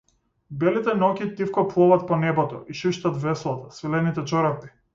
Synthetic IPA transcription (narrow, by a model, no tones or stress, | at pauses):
bɛlit̪ɛnɔkʲit̪ifkɔplˠɔvat̪̚pɔnɛbɔt̪ɔ̰ʔiʃiʃt̪at̪vɛslˠat̪ḁsvilɛnit̪ɛt͡ʃɔɾat̪i̥